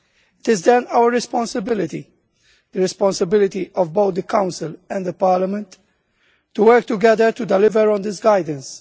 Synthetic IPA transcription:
ɪt̪ɪzd̪ɛ̃nawəɾɹɛspɔ̃nsəbɪlɪt̪ḭ | d̪əɾɛspɔ̃nsəbɪlɪt̪iʔɔvboʊt̪̚d̪əkãʊ̃nsɪlɛ̃nd̪d̪əpaːɾləmɛ̃nt̪ː | uwɜɾk̚t̪uɡɛd̪əɾt̪ud̪ɛlɪvəɾɔ̃nd̪ɪsɡajd̪ə̃ns

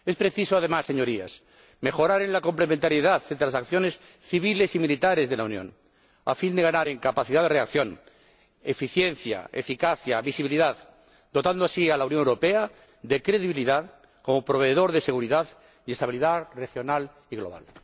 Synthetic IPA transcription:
e̞spɾe̞θisoað̞emasːeɲo̞ɾia̰s | me̞xo̞ɾaɾenlako̞mple̞mẽnt̪aɾjeðaðeelasakθjo̞ne̞s | θiβile̞similit̪aɾe̞zðelaunjõ̰n | a̰find̪eɣanaɾeŋkapaθiðaðreakθjo̞n | e̞fiθje̞nθja̰ḛfikaθjaβisiβiliðað | d̪o̞t̪and̪oasialaunjoŋewɾope̞a | ðe̞kɾe̞ðiβiliðað | ko̞mo̞pɾo̞β̞e̞ðo̞ɾðe̞se̞ɣuɾiðað | ie̞st̪aβiliðarexjo̞nal | iɣlo̞βa̰l

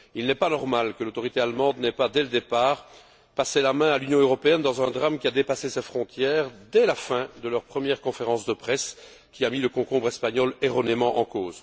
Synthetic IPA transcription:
ilnɛpanɔʁmalkəlot̪ɔʁit̪ealmɑ̃d̪nɛpad̪ɛləd̪epaːʁ | paselamɛ̃alynjɔ̃øʁɔpeɛnd̪ɑ̃zɛ̃d̪ʁamkʲiad̪epasesɛfχɔ̃t̪jɛːʁd̪ɛlafɛ̃d̪əlœʁpχəmjɛʁkɔ̃feʁɑ̃sd̪əpχɛs | kʲiamiləkɔ̃kɔ̃bʁɛspaɲɔleʁɔnemɑ̃ʔɑ̰̃koːz

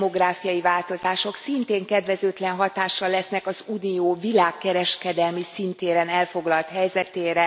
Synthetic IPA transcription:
mo̞ɡraːfijɒjivaːlt̪o̞zaːʃo̞ksint̪eːŋkɛd̪ʋɛzøːt̪lɛnɦɒt̪aːʃːɒlːɛsnɛkɒzuːnioːvilaːkːɛɾɛʃkɛd̪ɛlmisint̪eːɾɛnɛlfo̞ɡlɒlt̪hɛjzɛt̪eːɾɛ

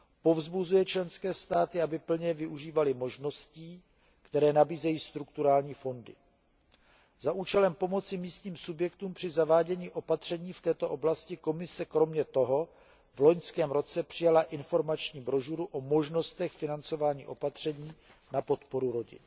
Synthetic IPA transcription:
po̞vzbuzujɛt͡ʃlɛnskɛːst̪aːt̪ɪabɪpl̩ɲɛvɪʔuʒiːvalɪmo̞ʒno̞sciː | kt̪ɛɾɛːnabiːzɛjiːst̪ɾukt̪uɾaːlɲiːfo̞ndɪ̰ | zaʔuːt͡ʃɛlɛmpo̞mo̞t͡sɪmiːst̪ɲiːmsubjɛkt̪uːmpr̝̥ɪzavaːɟɛɲiːʔo̞pat̪r̝̥ɛɲiːft̪ɛːt̪o̞ʔo̞blascɪko̞mɪsɛkɾo̞mɲɛt̪o̞ɦo̞ | vloɲskɛːmɾo̞t͡sɛpr̝̥ɪjalaʔɪnfo̞ɾmat͡ʃɲiːbɾo̞ʒuɾuʔo̞mo̞ʒno̞st̪ɛxfɪnant͡so̞vaːɲḭːʔo̞pat̪r̝̥ɛɲiː | napo̞t̪po̞ɾuɾo̞ɟɪ̰n

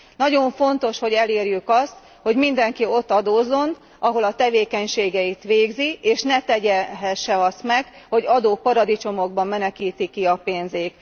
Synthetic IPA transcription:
nɒɟo̞ɱfo̞nt̪o̞ʃho̞ɟɛleːrjykɒst̪ | ho̞ɟmind̪ɛŋkio̞t̪ːɒd̪oːzːo̞n | ɒɦo̞lɒt̪ɛveːkɛɲʃeːɡɛit̪ʋeːɡzieːʃnɛt̪ɛɟɛɦɛʃːɛɒsmɛɡho̞ɟɒd̪oːpɒɾɒd̪it͡ʃo̞mo̞ɡbɒmːɛnɛkiːt̪ikːiɒpeːnzeːk

